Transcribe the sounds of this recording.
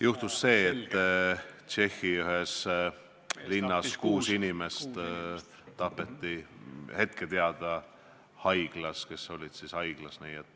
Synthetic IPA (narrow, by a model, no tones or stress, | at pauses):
juht̪usːe̞ːt̪ːˑ | t͡ʃe̞xːiyɦes | linːɑskuːsinimest̪ | t̪ɑpːe̞t̪ːihe̞t̪̚ket̪eɑd̪̥ɑ | hɑjɡ̥lɑske̞so̞lʲid̪̥sishɑjɡ̥lɑsniːet̪ːˑ